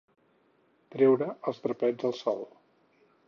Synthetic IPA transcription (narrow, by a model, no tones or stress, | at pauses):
t̪ɾɛwɾəəlˠzt̪ɾəpɛd͡zəlˠsɔ̰lˠ